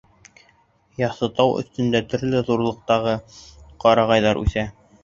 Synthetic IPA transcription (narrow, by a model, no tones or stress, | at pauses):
jɑsɤ̆t̪ɑwʔɵ̰̆θt̪ɵ̆nd̪æt̪ɵ̆ɾlɘðuɾlˠɤ̆q̚t̪ɑʁɤqɑɾɑʁɑjðɑɾʔʉ̰θæ